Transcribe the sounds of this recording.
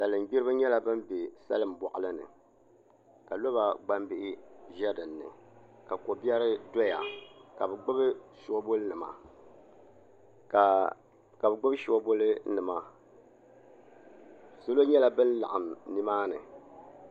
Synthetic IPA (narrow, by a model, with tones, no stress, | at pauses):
da˨lɨ˨m˨ɡ͡bi˦ɾɨ˦ɲɛ˦la˨bɨ˦mbe˨sa̰˦lɨ˦m˨bɔ˨ʔɨ˨lɨ˦nɨ̰˨ | ka˨lo˦ba˨ɡ͡ba˦mbɪ˦ʔɪ˦ʒɛ˦dɨ˨nːɨ̰˨ka˨ko˨bi˦ɛ˦ɾɨ˦dɔ˦ja˨ka˨bɨ˨ɡ͡bɨ˦bɨ˦ʃu˦o˦bo˦lɨ˦nɨ˨ma̰˨ | ka˨ | ka˨bɨ˨ɡ͡bɨ˦bɨ˦ʃo˨˦o˦bo˦lɨ˦nɨ˨ma˨ | so˦lo˦ɲɛ˦la˨bɨ˦nla̰˨ʔa˨m˨ni˦maː˦nɨ˨